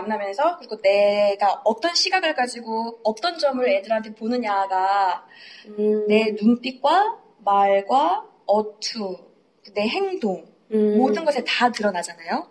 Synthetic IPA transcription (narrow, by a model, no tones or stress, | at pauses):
amnamjʌnsʰʌkɯɾiɡone̞ɡaʌt͈ʌnɕʰiɡaɡɯɭɡad͡ʑiɡoʌt͈ʌnd͡ʑʌmɯɭe̞dɯɾɦantʰe̞ponɯnjaɡa | ne̞nunp͈ik̚k͈wa | maɭɡwa | ʌtʰu | kɯne̞ɦe̞ŋdoŋ | modɯnɡʌsʰe̞tatɯɾʌnad͡ʑanajo